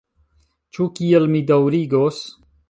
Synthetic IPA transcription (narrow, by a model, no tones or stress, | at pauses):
t͡ʃʰukijəlmid̪ɐwɾiɡoːs